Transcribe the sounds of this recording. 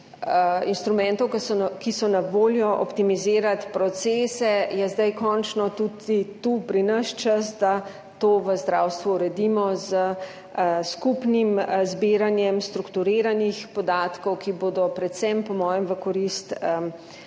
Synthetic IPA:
inst̪ɾumɛnt̪ɔwkkisɔnaʋoːljɔʔɔ̰pt̪imizeːɾat̪pɾɔt̪sɛːsɛjɛzd̪ajkɔnt͡ʃnɔt̪ud̪it̪upɾinəʃt͡ʃəsd̪a | t̪oːʋəzd̪ɾaːwst̪ʋuːɾɛd̪iːmɔzə | skupnimzbiːɾanjɛmst̪ɾukt̪uɾeːɾanixpɔd̪aːt̪kɔwkiboːd̪ɔpɾɛt̪sɛmpɔmɔːjɛmʋəkɔɾist̪ə

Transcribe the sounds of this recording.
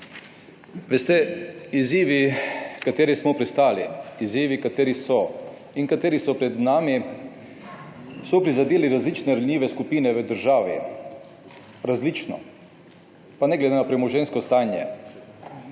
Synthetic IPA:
ʋɛst̪ɛiziːʋikat̪eːɾismɔpɾɛst̪aːliiziːʋikat̪eːɾisɔ | inkat̪eːɾisɔpɾɛd̪znaːmi | sɔpɾizad̪eːliɾazliːt͡ʃnɛɾalnʲjiːʋɛskupiːnɛʋəd̪əɾʒaːʋḭ | ɾazlit͡ʃnɔ̰ | panɛɡlɛd̪enapɾɛmɔʒɛnskɔst̪aːnjɛ̰

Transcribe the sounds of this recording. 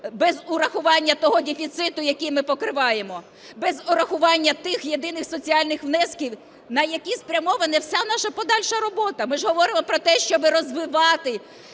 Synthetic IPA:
bɛzʊɾɐxʊʋɑnʲːɐt̪ɔɦɔdʲefʲit̪sɪt̪ʊjɐkʲijmɪpɔkɾɪʋɑjemɔ | bɛzʊɾɐxʊʋɑnʲːɐt̪ɪxje̞d̪ɪnɪxsɔt͡sʲiɑlʲnɪxʋnɛskʲiw | nɐjɐkʲispɾʲɐmɔʋɐnɛwsʲanɑʃɐpɔd̪ɑlʲʃɐɾɔbɔt̪ɐmɪʒɦɔʋɔɾɪmɔpɾɔt̪ɛʃt͡ʃɔʋɪɾɔzʋɪʋɑt̪ɪ

